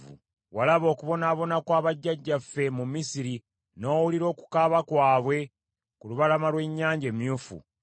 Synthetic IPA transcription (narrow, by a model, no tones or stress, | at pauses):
ṵ | walaβo̞ːkuβo̞naːβo̞nakwaːβaɟːaɟːafːe̞mumisiɾi | no̞ːwuliɾo̞ːku̥kaːβakwaːβwe̞ | kuluβalamalwe̞ɲːaːɲɟe̞ːmjuːfṵ